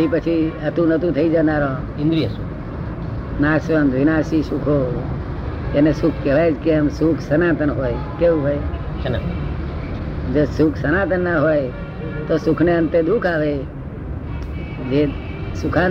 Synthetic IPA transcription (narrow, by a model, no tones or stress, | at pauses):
ipət͡ʃʰiət̪ũnət̪ũt̪ʰəid͡ʒaːnaːɾõː | ɪ̃nd̪ɾijəsukʰ | naːsʋənd̪ʋɪnaːsisukʰoː | enesukʰkeʋajd͡ʒkeəmsukʰsənaːt̪ənɦoːjkeũɦoːj | əna | d͡ʒosukʰsənaːt̪ənːaɦoːj | t̪osʊkʰneə̃nt̪ed̪ukʰaːʋe | d͡ʒeː | sʊkʰa